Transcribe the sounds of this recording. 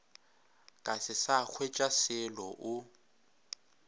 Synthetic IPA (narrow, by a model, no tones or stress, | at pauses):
kʼasɪsak͡xʰwet͡ʃʼasɪlɔʔʊ